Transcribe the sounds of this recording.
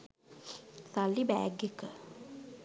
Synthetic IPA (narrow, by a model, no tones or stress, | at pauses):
salːibæ̰ːɡekə